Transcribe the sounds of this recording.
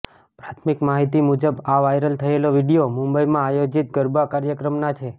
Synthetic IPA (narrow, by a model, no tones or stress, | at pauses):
pɾat̪ʰmikmaɦit̪imud͡ʒəbaʋajɾəlt̪ʰəeloʋiɽijomũmbəjmãajod͡ʒit̪̚ɡəɾbakaɾjəkɾəmnat͡ʃʰe